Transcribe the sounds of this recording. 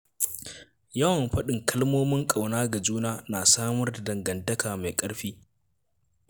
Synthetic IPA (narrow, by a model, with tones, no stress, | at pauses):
jɐ˦wɐ˨mɸɐ˦ɗɪ˨ŋkʰɐ˦lmoː˦mɪ˦ŋkʼa˨wnaː˦ɡa˨d͡ʒuː˦naː˦naː˨saː˦mɐ˦rda˨dɐ˨ŋɡɐ˨ntɐ˦kaː˨ma˨jkʼɐ˦ɽɸiː˦